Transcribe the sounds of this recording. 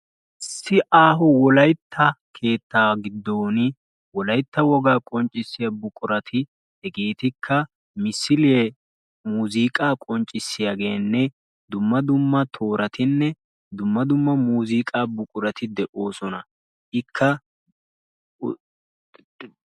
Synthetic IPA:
ɪsːɪʔaːɦʊwɔlɐjt̪ʰːɐkʰe̞ːt̪ːaːɡɪd̪ːo̞ːnɪ | wɔlɐjt̪ːɐwɔɡaːkʼɔnt͡ʃʼːɪsːɪjɐbʊkʼʊɾɐt̪ʰɪ | hɛɡeːt̪ɪkʰːɐ | mɪsːɪlɪɛ | muːziːkʼaːkʼɔnt͡ʃʼːɪsːɪjaɡe̞ːnːɛ | d̪ʊmːɐd̪ʊmːɐt̪ʰo̞ːɾɐt̪ɪnːɛ | d̪ʊmːɐd̪ʊmːɐmuːziːkʼaːbʊkʼʊɾɐt̪ɪd̪ɛʔo̞ːsɔnɐ | ʔɪkʰːɐ

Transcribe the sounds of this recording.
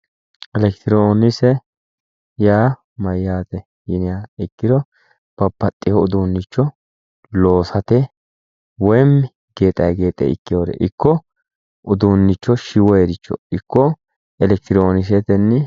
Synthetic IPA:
ɛlɛkt̪ɪɾoːnɪsɛ | jaː | mɐjːaːt̪ɛ | jɪnɪjaɪkːɪd̪ɔ | b̥ɐpːɐt̪ʼːɪhɔʊd̪uːnːɪt͡ʃːɔ | lo̞ːsɐt̪ɛ | wɔjɛmːɪ | ɡe̞ːt̪ʼːɐ̰jɡe̞ːt̪ʼːɛ̰ɪ̰kːɪjoːd̪ɛ̰ʔɪkːɔ | ʔʊd̪unːɪt͡ʃːɔʃɪwɔjed̪ɪt͡ʃːɔ̰ɪkːɔ | ɛlɛk̚t̪ɪɾoːnɪs̬ɛt̪ɛnːɪ

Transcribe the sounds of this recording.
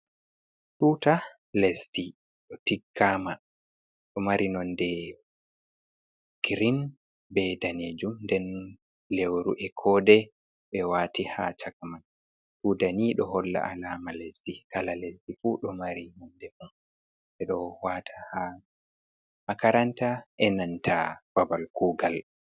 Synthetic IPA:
suːta | lesdi | ɗɔtiɡːama | ɗɔmaɾʔinɔndɛ | ɡ̥ɾin | bɛdaneːd͡ʒumndɛn | lewɾuʔɛkʰɔːdɛ | ɓɛwatihat͡ʃakaman | sudaniɗɔɦɔlːa̰ʔalaːmalesdikalalesdifuɗɔmaɾinɔndɛmun | ɓɛɗɔwaːtʰḁha | makaɾantaʔɛnantʰa̰b̥abalkuːɡal

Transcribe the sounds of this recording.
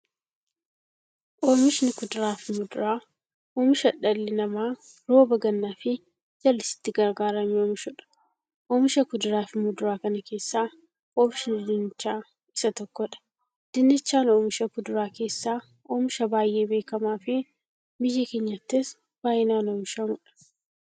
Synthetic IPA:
ʔoːmɪʃɪnɪkʊd̪ʊɾaːfɪmʊd̪ʊɾaː | ʔoːmɪʃɐᶑɐlːɪnɐmaː | ɾo̞ːbɐɡɐnːaːfɪ | d͡ʒɐlːɪsɪ̥t̪ːɪɡɐɾɡaːɾɐmɪoːmɪʃʊᶑɐ̥ | ʔoːmɪʃɐkʊd̪ʊɾaːfɪmʊd̪ʊɾaːkɐnɐke̞ːsːaː | ɔːmɪʃɪnd̪ɪnɪt͡ʃːaː | ɪsɐt̪ɔkːɔᶑɐ̥ | d̪̥ɪnːɪt͡ʃːaːnoːmɪʃɐkʊd̪ʊɾaːke̞ːsːaː | oːmɪʃɐbaːjʔe̞ːbe̞ːkɐmaːfɪ | bɪjːɐkeːɲːɐt̪ːɪs | b̥aːjɪnaːnoːmɪʃɐŋʊᶑɐ̥

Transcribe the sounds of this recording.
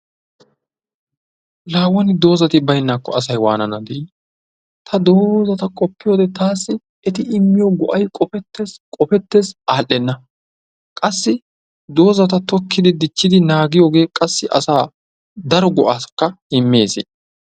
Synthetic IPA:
laːwːɐnɪd̪o̞ːzɐt̪ɪbɐjnːaːkːɔɐsɐjwa̰ːnɐnɐd̪iː | t̪ʰɐd̪o̞ːzɐt̪ɐkʼɔpːɪjoːd̪ɛt̪aːsːɪ | ɛt̪ɪɪmːɪjoɡɔʔɐjkʼɔfɛt̪ːeskʼɔfɛt̪ːezaːʔɛnːɐ | kʼɐsːɪ | d̪o̞ːzɐt̪̬ɐt̪ɔkːɪd̪ɪd̪ɪt͡ʃːɪd̪ɪnaːɡɪjoːɡe̞ːkʼɐsːɪʔɐ̰saː | d̪ɐɾɔɡɔʔaːskːɐ | ɪmːeːsḛː

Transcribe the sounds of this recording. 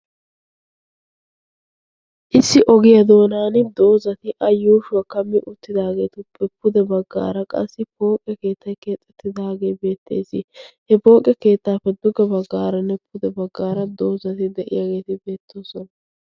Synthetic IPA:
ʔɪsːɪʔɔɡɪjɐd̪o̞ːnaːnɪd̪o̞ːzɐt̪ɪʔɐjːuːʃʊwɐkɐmːɪʔʊt̪ːɪd̪aːɡe̞ːt̪ʊpʰɛpːʊd̪ɛbɐɡːa̰ːɾɐkʼɐsːɪpo̞ːkʼjɐke̞ːt̪ːɐjt̪ke̞ːt̪ʼːɛt̪ʰːɪd̪aːɡe̞jbe̞ːt̪ːe̞̰ːsɪhɛpo̞ːkʼɪjɐke̞ːt̪ːaːfːɛd̪ʊɡɐbɐɡːaːɾɐnːɛpʊd̪ɛbɐɡːaːɾɐd̪o̞ːzɐt̪ɪd̪ɛʔɪ̰jaɡe̞ːt̪ɪbe̞ːt̪ʰːoːsɔnɐ

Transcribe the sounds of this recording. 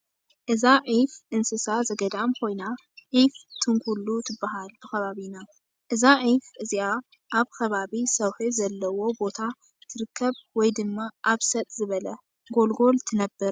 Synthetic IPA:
ʔɨzaʕifʔɨnsɨsazɐɡɐd̪amkʰo̞jna | ʕift̪ʰɨŋkʷʰulːut̪ʰɨbːaɦalbɨxɐβaβina | ʔɨzaʕifʔɨzia | ʔaβkʰɐβaβisɐwħɨzɐlːɐwo̞bo̞t̪ʰa | t̪ʰɨɾɨkʰːɐβwɔjd̪ɨmːaʔaβsɐt̪ʼzɨβɐlɐ | ɡo̞lɡo̞lt̪ʰɨnɐbːɨɾ

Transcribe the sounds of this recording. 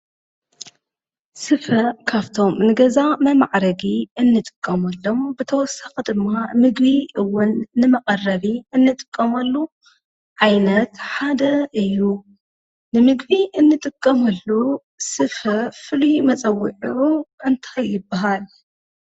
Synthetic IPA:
sɨfɐkʰaβt̪ʰo̞mnɨɡɐzamɐmaʕɾɐɡiɨnːɨt̪ʼɨ̥kʼːɐmɐlːombɨt̪ʰɐwɔsaxd̪ɨmːamɨɡbiʔɨwːʊnːɨmɐqʼɐrːɐβiɨnːɨt̪ʼɨ̥kʼːɐmɐlːu | ʕajnɐt̪ħad̪ɐʔɨjːu | nɨmɨɡbiʔɨnːɨt̪ʼɨkʼːɐmɐlːu | sɨfɐfɨlimɐt͡sʼɐwːiʕuuɨnt̪ʰajːɪbːaɦal

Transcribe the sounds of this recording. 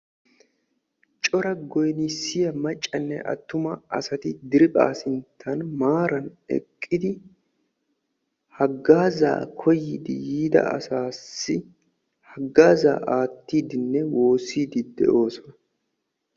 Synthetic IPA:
t͡ʃʼɔɾɐɡɔjnisːɪjɐmɐt͡ʃʼːɐnːɛ̰ʔɐ̰t̪ːʊmɐɐsɐt̪ɪd̪ɪɾɪpʼa̰ːsɪnt̪ʰːɐnmaːɾɐnɛ̰kʼːɪd̪ɪ | hɐɡːaːza̰ːkʰɔjːɪd̪ɪ̰jiːd̪ɐ̰ɐ̰saːsːɪ | hɐɡːaːza̰ːʔaːt̪ːiːd̪ɪnːɛwo̞ːsiːd̪ɪd̪ɛ̰ʔo̞ːsɔnɐ

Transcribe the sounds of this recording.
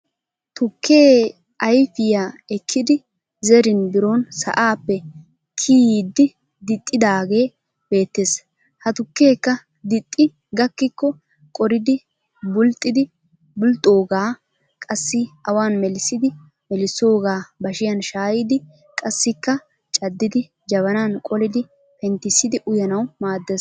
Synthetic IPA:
t̪ʊkʰːe̞ː | ʔɐjfɪjaːɛkʰːɪd̪ɪ | zɛɾɪnbɪɾonsɐ̰ʔaːpːɛ | kʰiːd̪ːɪ | d̪ɪt̪ʼːɪd̪aːɡe̞ː | b̥e̞ːt̪ːeːs | hɐt̪ʊkːe̞ːkːɐ | d̪ɪt̪ʼːɪ | ɡɐkːɪkːɔ | kʼɔɾɪd̪ɪ | bʊlt̪ʼːɪd̪ɪ | bʊlt̪ʼːo̞ːɡaː | kʼɐsːɪɐwaːnmɛlɪsːɪd̪ɪ | mɛlɪsːo̞ːɡaːbɐʃɪjɐnʃaːjɪd̪ɪ | kʼɐsːɪkːɐ | t͡ʃʼɐd̪ːɪd̪ɪ | d͡ʒɐβɐnaːnkʼɔlɪd̪ɪ | pɛnt̪ːɪsːɪd̪ɪʔʊjɐnɐwmaːd̪ːeːs

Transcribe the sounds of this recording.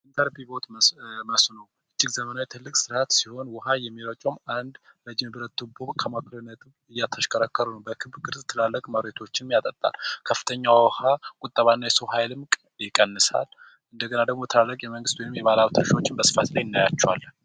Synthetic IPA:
ʔɨnt̪ʰəɾbibo̞t̪məsnəw | ʔɨt͡ʃːɪɡzəmənawjt̪ʰɨlːɨkʼsɨɾat̪siho̞nwɔɦajɛmːiɾət͡ʃʼomand̪ | ɾəd͡ʒɪmbɨɾət̪ːubuβkʰəmakʰɨlɨnːət̪ʰɨmɨjːat̪ʰəʃkʼəɾakʰːəɾunəwbəkʰɨβbɡɨɾzt̪ʰːɨlalːəkʼməβɾet̪ʰo̞t͡ʃːɪnmjat̪ʼət̪ʼːa̰lkʰəfːɨ̥t̪ʰəɲːawwɔhakʼʊt̪ʼːəβanːajɛsowɦajlɨmkʼ | jɪkʼənːɨsa̰l | ʔɨnd̪əɡənad̪əɡmo̞t̪ʰɨlalːəkʼjɛməŋɡɨst̪wɔjnɨmjɛβalaβt̪ʰɨɾʃo̞t͡ʃːɪnbəsɨ̥fat̪lajɪnːajat͡ʃːɛwa̰lːə

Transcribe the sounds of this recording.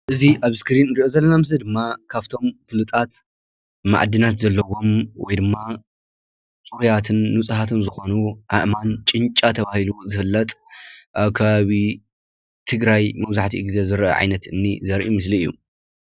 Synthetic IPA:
ʔɨziʔaβskɨɾinɾiʔozɐlːɐnamɨzɐd̪ɨmːakʰaβt̪ʰo̞mfɨlɨt̪ʼat̪ | ma̰ʕd̪ɨnat̪zɐlːɐwo̞mwɔ̰jd̪ɨmːa | t͡sʼuɾjat̪ʰɨnːut͡sʼɨhat̪ʰɨnzɨxo̞nuʔa̰ʔmant͡ʃʼɨnt͡ʃʼat̪ʰɐβahiluzɨfɨlːɐt̪ʼʔaβkʰaβaβi | t̪ʰɨɡɾajmɐβzaħt̪ʰiɡize̞zɨɾʔɐ̰ʕa̰jnɐt̪ɨnːḭzɐɾʔimɨs̬liɨjːṵ

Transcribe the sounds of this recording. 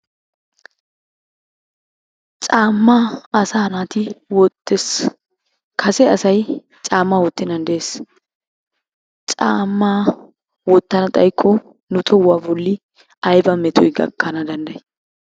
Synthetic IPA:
t͡ʃʼaːmːaɐsaːnaːt̪ɪwɔt̪ːes | kʰɐsɛɐsɐj | t͡ʃʼaːmːawɔt̪ːɪnɐnd̪eːs | t͡ʃʼaːmːaː | wɔt̪ːɐnɐt̪ʼɐjkʰːɔ | nʊt̪ʰɔwaːbɔlːɪ | ɐjbɐmɛt̪ʰɔjɡɐ̰kːɐnɐd̪ɐnd̪ɐj

